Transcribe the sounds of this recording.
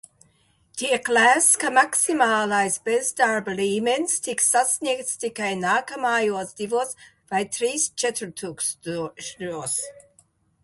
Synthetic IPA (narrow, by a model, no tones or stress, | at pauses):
t̪ʰiəklæskamaksimaːlajsbesd̪aɹbliːmenst̪ʰiksasnʲikt̪st̪ikajnaːkamaːjusd̪ivos | vajt̪ʰɾiːst͡ʃɛt̪ʰəlt̪ʰuks | us